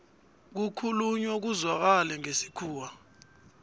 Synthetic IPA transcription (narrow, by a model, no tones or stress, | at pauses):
k̬ukʰuluɲɔk̬uzwak̬alɛŋesi̥kʰuːwa